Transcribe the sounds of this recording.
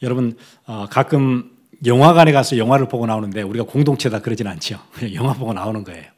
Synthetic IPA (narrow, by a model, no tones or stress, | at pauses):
jʌɾʌbun | ʌkak͈ɯm | jʌŋwaɡaneɡas͈ʰʌjʌŋɦwaɾɯɭpoɡonaonɯnde̞uɾiɡakoŋdoŋt͡ɕʰedakɯɾʌd͡ʑinɯnant͡ɕʰiokɯojʌŋɦwaboɡonaonɯnɡʌe̞̰jo